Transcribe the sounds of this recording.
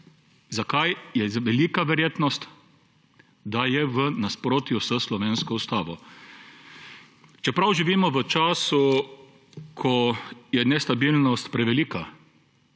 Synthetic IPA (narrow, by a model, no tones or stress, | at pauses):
zakajjɛʋɛliːkaʋɛɾjeːt̪nɔst̪ | d̪ajɛʋənaspɾoːt̪jusəslɔʋeːnskɔust̪aːʋɔ | t͡ʃɛpɾawʒiʋiːmɔʋət͡ʃaːsu | kʰɔjɛnɛst̪abilnɔst̪pɾɛʋɛliːka